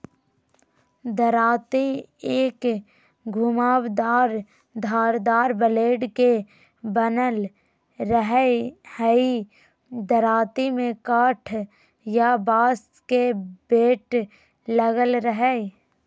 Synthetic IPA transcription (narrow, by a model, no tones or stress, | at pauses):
d̪əɾaːt̪ieːk | ɡʱʊmaːwd̪aːɾ | d̪ʱaːɾd̪aːɾbəleːɖke | bənəl | ɾəɦɛhɛi | d̪əɾaːt̪imẽkaːʈʰ | jabaːs | kebeːʈ | ləɡəlɾəɦɛ